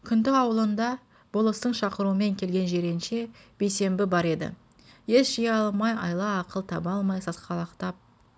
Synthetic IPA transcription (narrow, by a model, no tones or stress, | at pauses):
kʲʰʏnd̪ɪɑwəlˠənd̪ɑ | b̥olˠəst̪əɴʃɑqəɾuəme̞ŋkʲʰe̞lɡʲe̞nʒe̞ɾe̞nʃe̞b̥e̞jse̞mbɪbɑɾe̞d̪ɪ̰ | je̞sʒ̥ijɑlˠmɑjɑ̰jlˠɑːqəlˠt̪ʰɑbɑlˠmɑjsɑsqɑlˠɑqt̪ɑp̚